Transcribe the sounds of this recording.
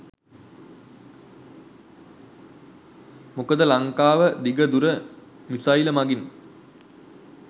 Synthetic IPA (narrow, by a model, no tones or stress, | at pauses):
mukəd̪əlaŋkaːʋəd̪iɡəd̪uɾə | misailəmaɡin